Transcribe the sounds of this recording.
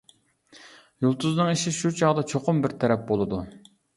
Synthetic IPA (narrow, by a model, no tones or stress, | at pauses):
julˠt̪ʰuznɨŋiʃɪʃut͡ʃʰɑʁd̪ɑt͡ʃʰoqʊmbɪɾt̪ʰɛɾɛp̚bolˠɨd̪u